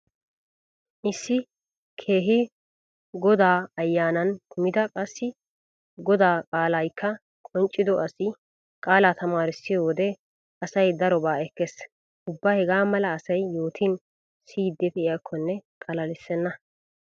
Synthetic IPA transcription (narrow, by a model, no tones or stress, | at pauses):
ʔɪsːɪ | kʰe̞ːɦɪ | ɡɔd̪aːɐjːaːnɐnkʰʊmɪd̪ɐkʼɐsːɪ | ɡɔd̪aːkʼaːlɐjkʰːɐ | kʼɔnt͡ʃʼːɪd̪ɔʔɐsɪ | kʼaːlaːt̪ɐmaːɾɪsːɪjoːwɔd̪ɛ | ɐsɐjd̪ɐɾɔbaːɛkːɛs | ʊbːaːhɛɡaːmɐlɐːsɐjːoːt̪ʰɪn | siːd̪ːɛt̪ɪjɐkʰːɔnːɛkʼɐlɐlɪsːɛnːɐ